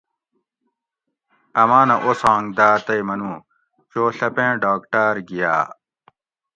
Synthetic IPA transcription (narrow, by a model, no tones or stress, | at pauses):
ɐmaːnɐʔosãːŋɡd̪aːt̪ɐjmɐnũː | t͡ɕoːɬɐpẽːɖaːkʈaːɾɡija̰ː